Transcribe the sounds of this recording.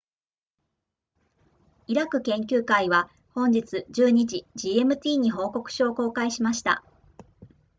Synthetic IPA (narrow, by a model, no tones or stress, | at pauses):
iɾakɯ̟kẽ̞ŋkʲɨːkaiβa | hõ̞ɲ̟d͡ʑit͡sɨd͡ʑɨːɲ̟id͡ʑid͡ʑiːemɯ̟t̪ʲiːɲ̟iɦo̞ːko̞kɯ̟̥ɕo̞ːko̞ːkaiɕimaɕi̥t̪a̰